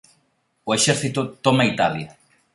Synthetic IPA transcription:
ʊeʃɛɾθit̪ʊt̪ɔmait̪aljɐ

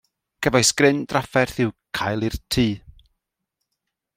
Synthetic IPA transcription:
kʰəvajsɡ̥rɪndrafɛrθɪwkʰajlˠirtʰiː

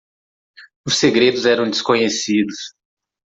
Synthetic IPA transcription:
ʊsːeɡɾed̪ʊzɛɾɐ̃w̃d͡ʒ̪ɪskõɲesid̪ʊs

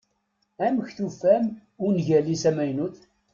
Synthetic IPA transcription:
æməçθufæmʊnʝælːisæmæjnuθ

